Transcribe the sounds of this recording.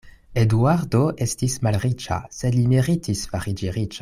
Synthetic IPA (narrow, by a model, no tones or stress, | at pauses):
eduaɾdoʔe̞stismalʁit͡ʃa̰sedlimiʁitisfaʁid͡ʒiʁit͡ʃa